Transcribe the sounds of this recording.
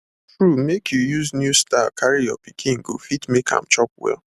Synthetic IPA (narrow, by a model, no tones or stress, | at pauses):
tɹumekʰjujuznjustakʰaɹijɔ̰pikʰĩnɡo̰fitmekʰã̰mt͡ʃɔp̚wɛ̰l